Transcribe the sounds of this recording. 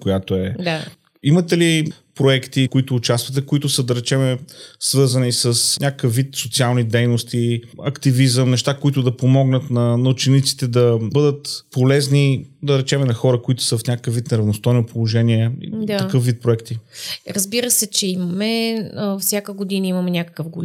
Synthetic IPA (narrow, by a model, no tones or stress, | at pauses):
kojat̪oɛd̪a | imɐt̪ɛli | pɾoɛkt̪ikoit̪ʊːt͡ʃast̪vət̪ɛkoit̪ʊsəd̪ɐɾɛt͡ʃɛmɛsvɤɾzənisəsnʲʔakəkəfvːit̪sot̪sialˠnid̪ɛjnost̪iɐkt̪ivizəmnɛʃt̪akoit̪ʊd̪ɐpomɔɡnət̪nɐnɐut͡ʃɛnit̪si̥t̪ɛd̪ɐbɤd̪ət̪polɛznid̪ɐɾɛt͡ʃɛmɛnɐxɔɾəkoit̪ʊ̥səfnʲakəkəfvːit̪nɛɾɐvnost̪ɔjnopolˠoʒɛniɛḭd̪ɐkɤfvit̪̚pɾoɛkt̪iɾɐzbiɾəsɛt͡ʃɛimɐmɛfsʲjakəɡod̪inəimɐmɛnʲakəkəfɡol